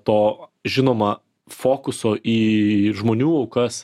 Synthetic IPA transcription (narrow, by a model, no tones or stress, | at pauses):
t̪oːʒʲɪnoːmɐ | foːkʊsoːʔiːʒmoːnʲuːɐʊkɐs